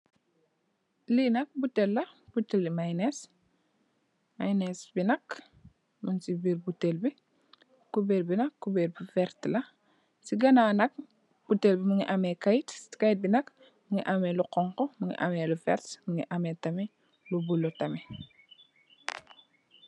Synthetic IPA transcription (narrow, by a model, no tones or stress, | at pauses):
linɐk̚butːelːɐb̥utːelːimajnes | majnɛsbinɐk | munsibiɾbutːelbi | kubeɾbinɐkːubeɾbifɛɾtlɐ | siɡɐnaːnɐk̚ | b̥utːelbimuŋiʔamɛkajitskait̚binɐk | muŋiʔɐmɛluqɔŋkɔmuŋḭʔa̰mɛːlufɛ̰ɾtmuŋiʔɐmɛtɐmɛ | lubulːotɐme